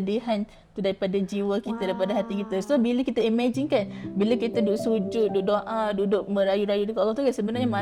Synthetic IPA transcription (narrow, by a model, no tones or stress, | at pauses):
diɦan | t̪udaɾipadad͡ʒiwəkit̪adaɾipadaɦat̪ikit̪asobilakit̪aimad͡ʒɪnkanbilakit̪audʊʔsud͡ʒʊt̪̚dʊʔ̚doʔaduʔdʊʔ̚mə̃ɾajuɾajudikolɔht̪ukansəbənarɲama